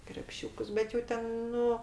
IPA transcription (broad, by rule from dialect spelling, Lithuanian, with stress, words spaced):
krʲɛpʲˈʃʲuːkʊs ˈbʲɛt jɛʊ ˈtʲɛn ˈnʊ